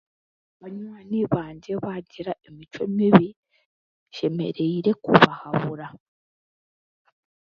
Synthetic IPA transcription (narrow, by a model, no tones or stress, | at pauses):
βaɲwaniβaːɲɟe̞βaɟiɾaemit͡ʃo̞miβi | ʃe̞me̞̰ɾe̞iɾe̞kuβahaβuɾa